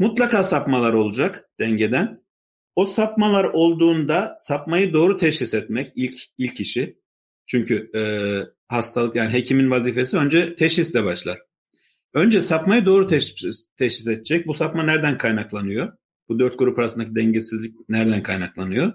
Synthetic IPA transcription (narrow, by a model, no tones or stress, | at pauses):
mut̪lˠakʰaːsapmalˠaɾo̞lˠud͡ʒakd̪̥ɛɲɟe̞d̪æn | osapmalˠaɾo̞lˠd̪uːnd̪asapmajɯd̪o̞ːɾut̪ʰɛʃhisɛt̪mɛcilʲcʰilʲcʰːiʃi | t͡ʃʰyɲcʰyɛ | hast̪ʰalˠɯkjaːnɪɦe̞cʰiminvaziːfe̞siø̞nd͡ʒɛt̪ʰɛʃhislʲɛbaʃlˠaɾ̥ | ønd͡ʒɛsapmajɯd̪o̞ːɾut̪ʰɛt̪ʰɛʃhised̪ʰɛd͡ʒɛc̚busapmanæɾd̪ænkʰajnaklˠanɯjo̞ | b̥ud̪øɾt̪̚ɡuɾupʰaɾasɯnd̪acʰid̪ɛɲɟesizlʲic̚næɾd̪ænkʰajnaklˠanɯjo̞